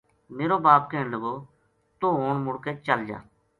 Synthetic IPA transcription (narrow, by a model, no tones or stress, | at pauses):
meːɾoːbaːp̚keːɳləɡoː | t̪oːɦoːɳmʊɽkeːt͡ʃəld͡ʒa̰ː